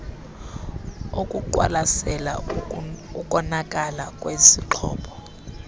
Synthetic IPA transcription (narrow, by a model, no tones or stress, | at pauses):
okʼuǃwa̰lasɛla̰ | ukʼɔnakʼalakʼwesiǁʰɔ̰ːpʰɔ̥